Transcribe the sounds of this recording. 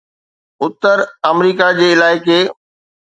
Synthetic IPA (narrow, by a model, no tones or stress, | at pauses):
ʊt̪əɾɐmɾiːkad͡ʑeːɪlaːɪkeː